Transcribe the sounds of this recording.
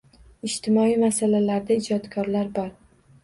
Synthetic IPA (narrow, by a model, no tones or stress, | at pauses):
ɪʃt̪ʰɪmɒimasalalaɾd̪aɪd͡ʒɒt̪kʰɒɾlaɾbɒɾ